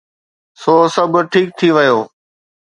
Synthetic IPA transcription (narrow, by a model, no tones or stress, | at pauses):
soːsɐbʱʈʰiːk̚t̪ʰiʋɪjoː